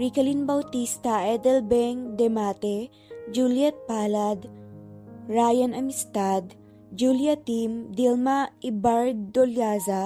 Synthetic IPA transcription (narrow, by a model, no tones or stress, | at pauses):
ɹikɐlinbɐwt̪ist̪ɐʔɛd̪ɛlbɛŋd̪ɛmat̪ɛ | d͡ʒuljɛt̪̚paːlad̪ | ɹajɐnɐmɪst̪ad̪ | d͡ʒuljat̪imd̪ilmaɪbaɹd̪oljaza